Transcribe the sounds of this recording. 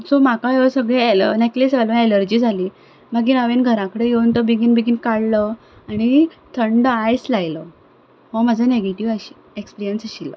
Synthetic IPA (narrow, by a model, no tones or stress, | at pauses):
somakajeʋəsəɡɭeneklisʋalʋə̃eləɾd͡ʑiːd͡zʱaliː | maɡiːnəʋenɡʱəɾãkəɽejeunt̪əbiɡinbiɡinkaɽlə | aɽ̃it̪ʰəɳɖəajslajlə | mə̃m̤ad͡zʱaneɡeʈiʋaɕi̥ | ekspiɾijənsaɕilə̰